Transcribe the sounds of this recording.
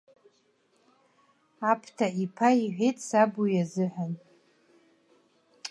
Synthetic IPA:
apʰtʰaipʰaiħʷᶣejtʼsabujazɨħʷᶣan

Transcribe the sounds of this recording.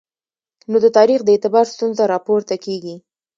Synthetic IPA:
nod̪ət̪ɑɾixd̪əet̪ɪbɑɾst̪unzaɾɑpoɾt̪akeɡi

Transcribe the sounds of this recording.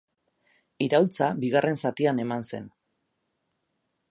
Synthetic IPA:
iɾawlt͡sabiɣarʔe̞nsat̪iane̞manse̞̰n

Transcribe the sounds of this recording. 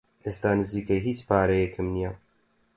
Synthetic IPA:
ʔeːst̪aːnɨziːkɛɦiːt͡spaːɾɛjɛkʰɨmnija

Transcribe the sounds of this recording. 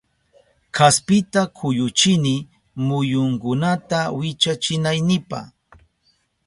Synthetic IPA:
kʰaspɪt̪akʰʊjʊt͡ʃɪnɪ | mʊjʊŋkʊnat̪awɪt͡ʃat͡ʃɪnajnɪpa̰χ

